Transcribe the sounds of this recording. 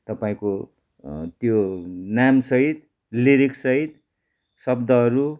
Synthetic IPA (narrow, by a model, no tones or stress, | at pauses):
t̪ʌpaĩko | t̪jonamsʌɦit̪ | liɾiksʌɦit̪ | sʌbd̪ʌʌɾu